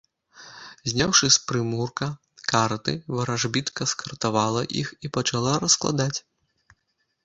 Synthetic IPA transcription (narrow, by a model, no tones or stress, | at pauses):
zʲnʲawʂɨspɾɨmurkɐ | kart̪ɨvɐɾaʐbʲit̪kɐskɐrt̪avalˠɐʔḭxipɐt͡ʃalˠaɾɐsklˠa̰d̪at͡sʲ